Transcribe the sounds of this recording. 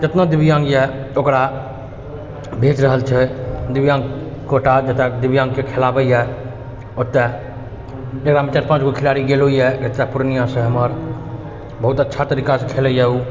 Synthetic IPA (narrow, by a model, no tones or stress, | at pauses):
d͡ʒet̪nad̪ibijãŋɡjɛokɾa | bʱet͡ʃɾəɦəlt͡ʃʰɛd̪ibjãːŋɡkoʈad͡ʒət̪ɛd̪ibjãŋɡkekʰelabəjɛ | ot̪ːɛ | d͡ʒeɡɾamẽt͡ʃaʈpãt͡ʃɡokʰɪlaɾiɡeloijɛɡət̪ːɛpuɾnijãsẽɦəməɾ | bəɦut̪ətːʃʰat̪əɾikasekʰeləjɛu